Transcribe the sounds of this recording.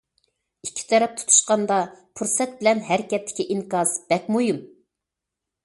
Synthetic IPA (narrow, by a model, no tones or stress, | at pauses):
ikʲʰːi̥t̪ʰɛɾɛp̚t̪ʰu̥t̪ʰu̥ʃqɑnd̪ɑpʰuɾsɛt̪̚bɪlɛnɦæɾɪkʲɛt̪ːɪ̥kʲʰiʔiŋkɑzb̥ɛk̚ʲmujum